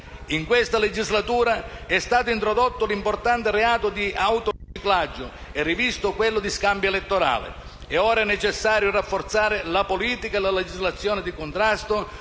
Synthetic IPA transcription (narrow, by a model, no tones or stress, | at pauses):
iŋkwɪst̪aled͡ʒizlat̪uːɾaɛst̪aːt̪ʊint̪ɾɔd̪ot̪ːʊlimport̪ant̪ɪreaːt̪ʊd̪iawt̪ʊrit͡ʃiklad͡ʒːʊ | ɛrːivist̪ʊkwelːʊd̪iskambjʊelɛt̪ːoɾa̰ːlɪ̰ | ɛɔːɾaɛnɛt͡ʃɛsːaːɾjʊrafːort̪saːɾɪlapoliːt̪ikaelaled͡ʒizlat̪sːjɔːnɪd̪ikʊnt̪ɾast̪ʊ